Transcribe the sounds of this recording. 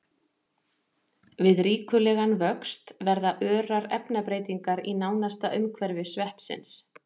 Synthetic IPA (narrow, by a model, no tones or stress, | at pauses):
vɪðɾiːkʏlɛɣanvœkst̪vɛɾðaʔœːɾaɾɛpnapɾeːjt̪iŋkaɾinaːwnast̪aʔʏmkʰvɛɾvɪsvɛhpsɪ̰ns